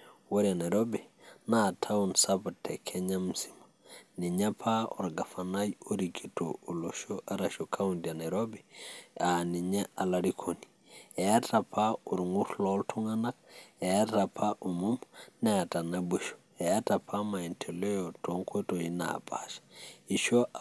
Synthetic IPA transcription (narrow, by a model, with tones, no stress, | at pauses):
wa˦ɾia˨na˨ɾo˦bina˦˨tʰa˦unsa˦patʰɛ˨kʰɛ˦ɲa˦m̩˦simani˨ɲa˦pʰa˦ɔ̰˨ɾɡa˨fa˨na˦jo˦ɾiki˨to̰ː˨lo˨ʃo˦ʔa˦ɾa˨ʃo˨kʰa˦undja˨na˨ɾo˦bia˨ni˨ɲa˦a˨la˦ɾikʰo˨ni̥˨ | ɛ˨a˦ta˨pʰa˦o˨ɾŋu˦ɾlɔ˦ltʰu˦ŋa˦na˦k̚ɛ˨a˦ta˨pʰa˦ʔo˨mu˦mnɛ˦a˨ta˨na˦be˦ʃo̥ | ɛ˨a˦ta˨pʰa˦ma˨ɛ˨ntʰɛ˨lɔ˦jɔ˨tʰo˨˦ŋkwe˦to˨i˦na̰˨pʰa̰ʃḁi˨ʃɔ˦